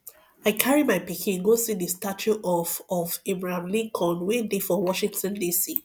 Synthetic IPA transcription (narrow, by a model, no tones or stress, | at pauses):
aɪkʰaɹimaɪpikʰĩnɡosidəstat͡ʃʰuʔɔfɔvebɹahãmlĩŋkʰɔ̃nwẽndefɔwɔʃĩŋtɔ̃ndisi